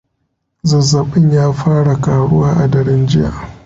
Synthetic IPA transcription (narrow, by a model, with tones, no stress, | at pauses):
zɐ˨zːa˨ɓɪ˦ɲjaː˦ɸaː˦ɽa˨kaː˨ɽʊ˦waː˦ʔa˨dɐ˨ɽɪ˦nd͡ʒɪ˦ja̰ː˨